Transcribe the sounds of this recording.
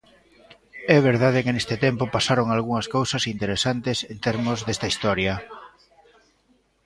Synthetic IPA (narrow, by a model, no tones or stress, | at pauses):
ɛβ̞eɾðaðɪkɪnest̪ɪt̪ɛmpopasaɾoŋalɣuŋɐskowsɐsint̪eɾesant̪esent̪ɛɾmʊzðɛst̪ɐist̪ɔɾjɐ